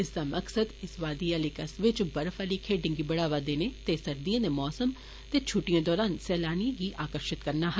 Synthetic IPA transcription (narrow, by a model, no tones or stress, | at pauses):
ɪsd̪aːməksəd̪ɪsʋaːd̪ijaːlikəsʋɪt͡ʃbəɾfaːliːkʰeːɖɪ̃ŋɡiːbəɽaːʋaːd̪eːneːt̪eːsəɾd̪ijãːd̪eːmɔːsəm | t̪eːt͡ʃʰuʈɪjãːd̪ɔːɾaːnsɛːlaːnijãːɡiːʔaːkəɾʃɪt̪kəɾnaːɦə